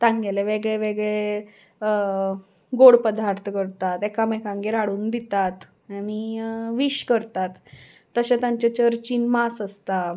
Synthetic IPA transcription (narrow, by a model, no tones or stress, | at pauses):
t̪ãŋɡeleʋeɡɭeʋeɡɭe | ə | ɡoɽpəd̪ʱaɾt̪ʰkəɾt̪at̪ekamekãŋɡeɾaɽuːnd̪it̪at̪ | aɽ̃iʋiɕkəɾt̪at̪ː | əɕẽt̪jãɲt͡ɕet͡ɕəɾt͡ɕiːnmasəst̪a